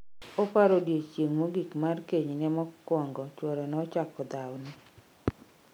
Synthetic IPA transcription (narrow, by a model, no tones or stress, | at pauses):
ɔpaɾodjet͡ʃjeŋmoɡikmarkeɲnɛmɔkwɔŋɡɔt͡ʃwɔɾɔnɔt͡ʃakɔd̪awni